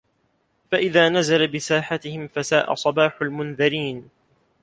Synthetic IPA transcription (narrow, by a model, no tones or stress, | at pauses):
faʔɪðaːnazalabɪsaːħat̪ɪhɪmfasaːʔa̰sˤɑbaːħalmʊnðɪɾiːn